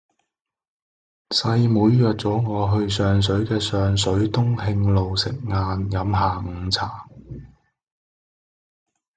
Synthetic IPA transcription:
sɐ˧jmuː˨˧jːœː˨t̚t͡sɔː˨˥ŋɔː˨˧ɦɵ˧ɥsœː˨ŋs̬ɵ˨˥ɥkɛː˧sœː˨ŋs̬ɵ˨˥ɥt̪ʊ˥ŋhɪ˧ŋlo˨wsɪ˨k̚ŋaː˧njɐ˨˥mɦaː˨˩ŋ̩˨˧t͡sʰaː˨˩

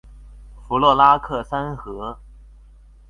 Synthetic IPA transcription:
fu˧˥lwɔ˥˩la˥kʰɤ˥˩sa˥nxɤ˧˥

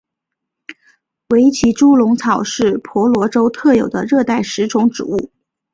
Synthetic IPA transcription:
we˧˥ɪt͡ɕʰi˧˥ʈ͡ʂu˥lʊ˧˥ŋt͡sʰɑ˨˩ʊʂɻ̩˥˩pʰwɔ˧˥lwɔ˧˥ʈ͡ʂo˥ʊt̪ʰɤ˥˩jo˨˩ʊd̪ə˦ɻɤ˥˧t̪a˥˩ɪʂɻ̩˧˥ʈ͡ʂʰʊ˧˥ŋʈ͡ʂɻ̩˨˩u˥˩

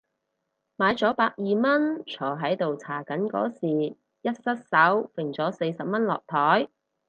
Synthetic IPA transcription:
maː˨˧jt͡sɔː˨˥paː˧k̚jiː˨mɐ˥nt͡ʃʰɔː˨˩ɦɐ˨˥jt̪o˨wt͡sʰaː˨˩kɐ˨˥nkɔ̰ː˨˥siː˨˩ | jɐ˥t̚sɐ˥t̚sɐ˨˥wfɪ˨˩ŋt͡sɔː˨˥se˧jsɐ˨p̚mɐ˥nlɔ̰ː˨k̚t̪ʰɔː˨˥j

